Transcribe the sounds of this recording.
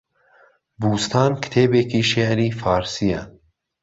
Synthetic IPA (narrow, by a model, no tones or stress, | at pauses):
buːst̪ʰɑːnkʰɨ̥t̪ʰeːbeːkʰiːʃeʕɾiːfɑːɾsijɛ